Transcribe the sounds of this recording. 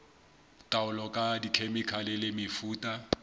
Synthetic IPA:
tʼaʊlɔkʼadikʰemikʰalɪlɪmɪfuːtʼa

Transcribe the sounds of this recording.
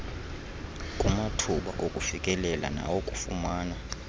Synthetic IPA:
kʼumatʰuɓaʔʼokʼufikʼɛlɛla̰na̰wokʼufṵmaːna

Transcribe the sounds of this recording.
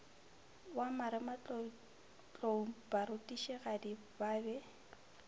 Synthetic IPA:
wamaɾɪmat͡ɬ | t͡ɬʼoubaɾʊtʼiʃɛɣadi | baːbɛ

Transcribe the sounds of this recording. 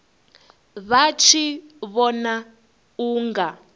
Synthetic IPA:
βat͡ʃʰiβɔna | uːŋɡa

